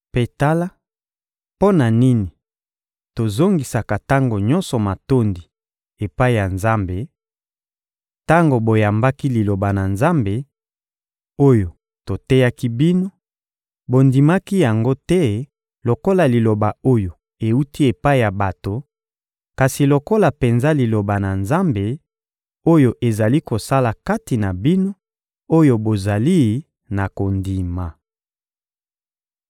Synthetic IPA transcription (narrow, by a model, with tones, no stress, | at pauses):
pe˨ta˦la˦ | po˦na˨ni˦ni˨ | to˨zo˦ŋɡi˨sa˨ka˨ta˦ŋɡo˨ɲɔ̃˦nsɔ˨ma˨to˦ndi˨ | e˨pa˦i˦˨ja˨nza˦mbe˨ | ta˦ŋɡo˨bo˨ja˨mba˦ki˦li˨lo˨ba˨na˨nza˦mbe˨ | o˦jo˨ | to˨tɛ˦ja˦ki˦bi˦no˦ | bo˨ndi˨ma˦ki˦ja˨ŋɡo˦tɛ˦ | lo˨ko˦la˨li˨lo˨ba˨o˦jo˨ | e˨u˦ti˦e˨pa˦i˨ja˨ba˨to˨ | ka˨si˨lo˨ko˦la˨pe˨nza˦li˨lo˨ba˨na˨nza˦mbe˨ | o˦jo˨ʔe˨za˨li˦ko˨sa˦la˨ka˦ti˨na˨bi˦no˦ | o˦jo˦bo˨za˨li˦ | na˨ko˨ndi˨ma˨